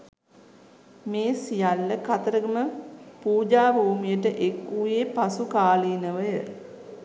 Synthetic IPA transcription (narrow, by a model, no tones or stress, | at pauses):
meːsijalːəkat̪əɾəɡəməpuːd͡ʒaːbʱuːmijəʈəʔekːujepasukaːliːnəʋəjə